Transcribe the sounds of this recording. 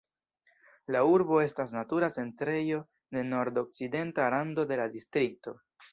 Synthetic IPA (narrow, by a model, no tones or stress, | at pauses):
lauɾbo̞e̞stasnatuɾat͡se̞ntɾe̞jo̞ | de̞no̞ɾdo̞k̚t͡side̞ntaɾando̞de̞ladistɾik̚to̞